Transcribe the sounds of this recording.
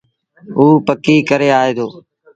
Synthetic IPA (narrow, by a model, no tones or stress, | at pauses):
uːpəkiːkəɾeːaːeːd̪oː